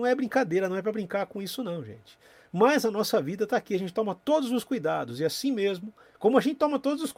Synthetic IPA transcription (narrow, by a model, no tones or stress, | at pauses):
w̃ɛbɾĩŋkad̪ejɾɐnɐ̃w̃ɛp̬ɾɐbɾĩkaɾkõisʊnɐ̃w̃ʒḛ̃t͡ʃɪ̥ | mɐzɐnɔsɐvid̪ɐt̪aːkiaʒẽnt͡ʃɪ̥t̪õmɐt̪od̪ʊzʊskujd̪ad̪ʊzɪasĩmezmʊ | kõmʊɐʒẽnt͡ʃɪ̥t̪õmɐt̪od̪ʊzʊs